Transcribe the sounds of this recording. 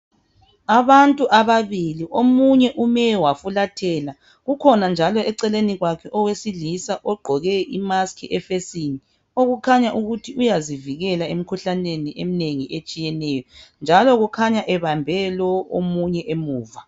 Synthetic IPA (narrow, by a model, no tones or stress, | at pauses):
aβantʼuʔaβaβiliʔomuɲɛʔumɛwafulatʰɛːla | ɣukʰɔnand͡ʒʱalɔɛǀɛleniɣwakʰɛʔɔwesilisaʔɔɡ͡ǃʱɔɣɛʔimaskʰiʔɛfesini | oɣukʰaɲaʔuɣutʰiʔujaziviɣɛlaem̩kʰuɬaneniʔemineŋiʔet͡ʃʼijɛnɛjɔnd͡ʒʱalɔɣukʰaɲaʔɛβambʱɛlɔomuɲɛʔemuːva